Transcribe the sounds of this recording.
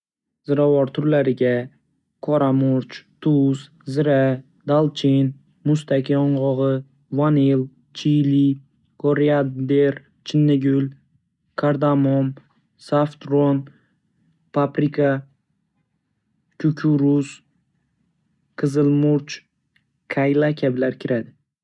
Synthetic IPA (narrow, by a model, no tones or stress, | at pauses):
z̥ɪɾavɒɾt̪ʰʊɾlaɾɪɡʲa | kʰɒɾamʊɾt͡ʃt̪ʰʊs | zɪɾa | d̪alˠt͡ʃʰin | mʊst̪ʰakʲʰiɒɴʁɒʁɨ | vanel | t͡ʃʰili | kʰoɾiad̪d̪eɾ | t͡ʃʰɪnːɪɡʲʊl | kʰaɾd̪amom | saft̪ɾon | pʰapɾikʰa | kʰʲʊkʲʰuɾʊs | qʰɨzɨlmʊɾt͡ʃ | kʰajlˠakʲʰablaɾkʲʰɪɾad̪ɪ